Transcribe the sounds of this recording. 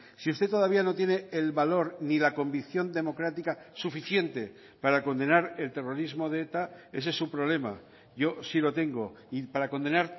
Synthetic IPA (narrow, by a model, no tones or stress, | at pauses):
siust̪et̪o̞ð̞aβ̞iano̞t̪je̞neelβalo̞ɾnilako̞mbikθjo̞nd̪e̞mo̞kɾat̪ikasufiθje̞nt̪e̞ | paɾako̞nd̪e̞naɾe̞lt̪e̞ro̞ɾizmo̞ðeet̪ae̞se̞supɾo̞β̞le̞ma̰ | ʝo̞silo̞t̪e̞ŋɡo̞ | ipaɾako̞nd̪e̞naɾ